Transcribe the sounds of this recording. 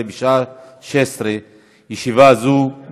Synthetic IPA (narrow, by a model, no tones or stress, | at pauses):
ebiʃaʃesɾe | jeʃivazu